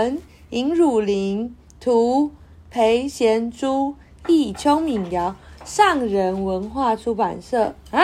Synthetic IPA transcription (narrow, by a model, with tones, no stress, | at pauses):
n | i˧˥ŋɻu˨˩li˧˦ŋ | t̪ʰu˨˧˥ | pʰe˧˦ɪɕjɛ˧˥nʈ͡ʂu˦ | i˥˩t͡ɕʰjo˥ŋmi˨˩ŋjɑ˨˧˦ʊʂɑ˥˩ŋɻə˨˦nwə˧˦nxwa˥˩ʈ͡ʂʰu˧˥pa̰˨˩nsɤ˥˩